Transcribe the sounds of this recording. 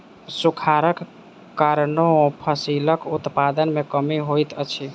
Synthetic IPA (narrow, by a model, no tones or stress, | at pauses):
sukʰaɾək | kaɾnopʰəsiləkut̪pad̪ənmekəmiɦojt̪ət͡ʃʰi